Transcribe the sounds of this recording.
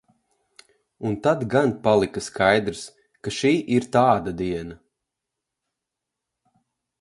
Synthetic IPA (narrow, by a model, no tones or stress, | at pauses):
unt̪ad̪ɡanpalˠikaskajd̪ɾs | kaʃiːʔiɾt̪aːd̪ad̪iɛna